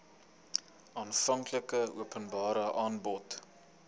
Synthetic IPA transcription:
ɑːnfɐŋkləkəṵəpənbɑːɾəʔɑːnbɔt

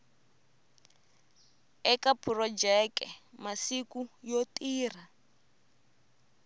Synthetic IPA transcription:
ɛkapʰurɔd͡ʒɛkɛmasikujotiːr̤a

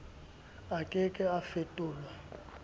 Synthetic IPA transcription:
akʼɪkʼɪafetʼʊːlwa

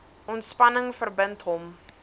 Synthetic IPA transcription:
ɔntspɐnəŋfərbəntɦɔm

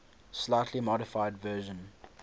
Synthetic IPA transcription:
slaɪtʰlimɔɾɪfaɪdvɜːʒə̃n

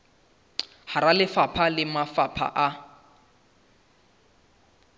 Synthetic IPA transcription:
haɾalɪfapʰalɪmafapʰa̰ʔa

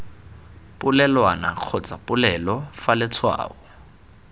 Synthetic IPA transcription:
pʼʊlɛlwanaq͡χʰɔt͡sʼapʼʊlɛlɔfalɛt͡sʰwa̰ːɔ

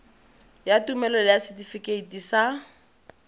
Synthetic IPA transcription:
jatumɛlɔlɪjasɛtifikeitisa

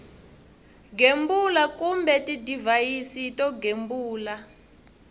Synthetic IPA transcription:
ɡembulakumbɛtidivajisitɔɡembuːla

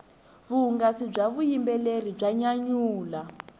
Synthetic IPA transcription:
βuŋɡasib͡ʐaβujimbɛlerib͡ʐaɲaɲuːla

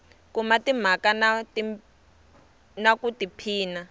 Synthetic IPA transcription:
kumatim̤akanati | nakutipʰiːna

